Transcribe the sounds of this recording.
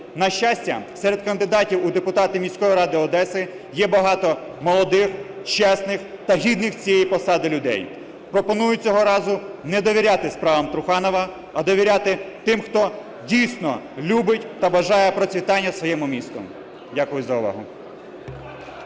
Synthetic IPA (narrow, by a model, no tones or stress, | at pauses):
nɐʃt͡ʃasʲtʲɐ̰sɛɾed̪̚kɐnd̪ɪd̪ɑtʲiwʊd̪epʊt̪ɑt̪ɪmʲisʲkɔjiɾɑd̪ɪɔd̪ɛsɪ | jɛbɐɦɑt̪ɔ | mɔlˠɔd̪ɪxt͡ʃɛsnɪx | t̪ɐɦʲid̪nɪxt͡sʲijɛjipɔsɑd̪ɪlʲʊd̪ɛ̰j | pɾɔpɔnujʊt͡sʲɔɦɔɾɑzʊnɛd̪ɔʋʲiɾʲat̪ɪspɾɑʋɐmt̪ɾʊxɑnɔʋɐ | ɐd̪ɔʋʲiɾʲat̪ɪt̪ɪmxt̪ɔ | dʲijsnɔ | lʲubɪtʲt̪ɐbɐʒɑjɛpɾɔt͡sʲʋʲit̪ɑnʲːɐsʋɔjɛmʊmʲist̪ɔ̰m | dʲakʊjʊzɐʊʋɑ̰ɦʊ